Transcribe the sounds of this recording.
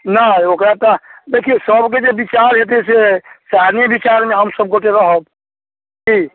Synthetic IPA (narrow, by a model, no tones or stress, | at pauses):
naokɾat̪ad̪ekʰijesəbk̬ed͡ʒebit͡ʃaɾɦet̪̬esesanebit͡ʃaɾmeɦəmsəb̚koʈekaɦəb̚ | d͡ʒi